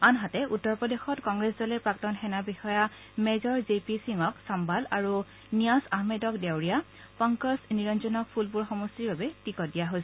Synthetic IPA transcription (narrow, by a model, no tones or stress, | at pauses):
anɦatɛʔutːɔɹpɔdexɔtkɔŋɡɹeszɔlɛpɹak̚tɔnxɛnabixɔja | mɛzɔɹzepisiŋɔksambalaɹu | nijasahmedɔkdewɹija | pɔŋkɔsniɹɔnzɔnɔk̚pʰulpuɹxɔmɔstiɹbabɛtikɔt̚dijaɦos